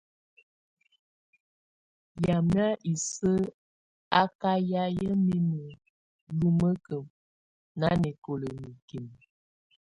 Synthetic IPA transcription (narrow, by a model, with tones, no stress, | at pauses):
ja˨m˦a˦ʔi˨sə˦ | a˦ka˦ja˦jə˦mi˦mə˨ | lu˦mə˦kə˨m | na˦nɛ˨ko˨lə˨mi˨ki˨m˨